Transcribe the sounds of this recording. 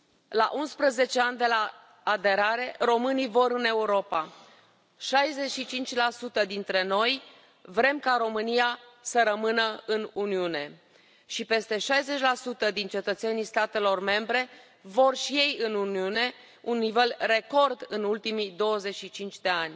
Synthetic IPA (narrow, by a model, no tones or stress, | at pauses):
la̰ʔunspɾəze̞t͡ʃe̞anʲd̪e̞laː | d̪e̞ɾaɾe̞ro̞mɨnijvo̞ɾɨne̞uɾo̞pa | ʃajze̞t͡ʃʃit͡ʃint͡ʃʲlasut̪əd̪int̪ɾe̞no̞j | vɾe̞mkaɾo̞mɨnijasəɾəmɨnəɨnuniune̞ | ʃipe̞st̪e̞ʃajze̞t͡ʃʲlasut̪əd̪int͡ʃe̞t̪ət̪se̞nijst̪at̪e̞lo̞rme̞mbɾe̞ | vo̞rʃije̞jɨnuniune̞ | unːive̞lre̞ko̞rd̪ɨnult̪imid̪o̞wəze̞t͡ʃʃit͡ʃint͡ʃʲd̪e̞anʲ